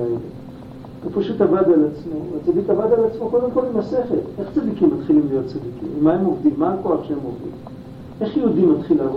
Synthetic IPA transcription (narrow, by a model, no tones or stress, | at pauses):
ele | vepaʃutavad̪alat͡smovat͡saditavad̪alat͡smoko̞d̪emko̞limase̞χe̞le̞χt͡sad̪ikimːat̪χilimlijo̞t̚t͡sad̪ikḭmmːae̞mo̞vd̪imːaːko̞aχʃeemo̞vdḭm | e̞χjeud̪imat̪χilav